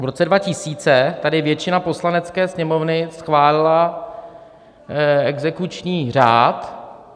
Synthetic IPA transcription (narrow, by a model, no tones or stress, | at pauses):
vɾo̞t͡sɛdvacɪsiːt͡sɛt̪adɪvjɛt͡ʃɪnapo̞slanɛt͡skɛːsɲɛmo̞vnɪsxvaːlɪla | ɛɡzɛkut͡ʃɲiːr̝aːt̪